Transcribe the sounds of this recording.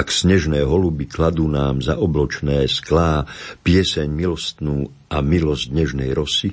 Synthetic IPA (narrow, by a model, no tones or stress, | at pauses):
aksɲɛʒnɛːɦɔlubiklad̪uːnaːmzaʔɔblɔt͡ʃnɛːsklaːpɪɛsɛɲmilɔst̪nuː | amilɔzɟ̪ɲɛʒnɛjɾɔsi